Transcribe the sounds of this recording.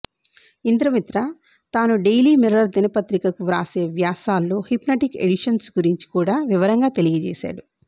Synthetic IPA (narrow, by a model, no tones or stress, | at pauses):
ind̪ɾɐmit̪ɾɐ | t̪aːnuɖejliːmiɾɐɾd̪inɐpɐt̪ɾikɐkuɾa̰ːse̞ːʋjaːsaːlːo̞ːhipnɐʈikḛɽiʂɐnsɡuɾiɲt͡ʃi̥kuːɽaːʋiʋɐɾɐŋɡaːt̪e̞liɡɐt͡ʃɛ̰ːʃa̰ːɽu